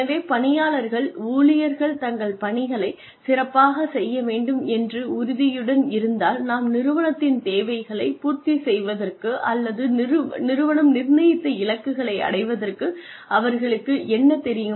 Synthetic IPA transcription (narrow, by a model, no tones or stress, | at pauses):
ɐʋeːpɐɳɪjaːɭɐɾɣɐɭuːlɪjɐɾɣɐɭt̪ɐŋɡɐɭpɐɳɪɣɐɭɐɪ | sɪrɐpːaːɣɐsɛjːɐʋeːɳɖɯmɛndrɯʊɾʊðɪjɯɽɐnɪɾɯnd̪aːlnaːmnɪɾɯʋɐɳɐt̪ːɪnt̪eːʋɐɪɣɐɭɐɪpuːɾt̪ːisɛjʋɐðɐrkɯʔɐlːɐðɯnɪɾɯʋɐɳɐmnɪɾnɐjɪt̪ːɐɪlɐkːɯɣɐɭɐɪɐ̰ɽɐɪʋɐðɐrkɯ | ʔɐʋɐɾɣɐɭɯkːɯʔɛnːɐt̪ɛɾɪjɯ